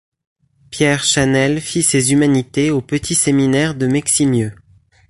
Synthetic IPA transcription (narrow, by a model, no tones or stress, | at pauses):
pjɛʁʃanɛlfisezymanit̪eopət̪ʰiseminɛʁd̪əmɛksimjø